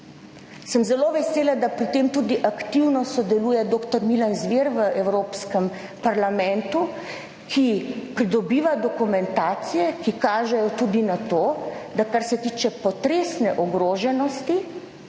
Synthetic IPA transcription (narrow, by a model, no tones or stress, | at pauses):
səmzɛloʋɛseːlad̪apɾit̪eːmt̪ud̪iʔakt̪iwnɔsɔd̪ɛluːjɛd̪oːkt̪ɔɾmilanzʋeɾʋəʔɛwɾoːpskəm | paɾlamɛnt̪u | kʰipɾid̪ɔbiːʋad̪ɔkumɛnt̪aːt̪sijɛkikaːʒɛjɔt̪uːd̪inat̪oːd̪akaɾsɛt̪iːt͡ʃɛpɔt̪ɾeːsnɛʔɔɡɾoːʒɛnɔst̪i